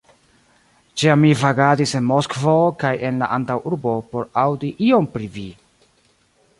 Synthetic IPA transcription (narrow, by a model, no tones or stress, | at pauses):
t͡ʃiamːivaɡadise̞nmoskvokaje̞nla̰ʔantawʔuɾbo̞po̞ɾawdiʔio̞mpɾivi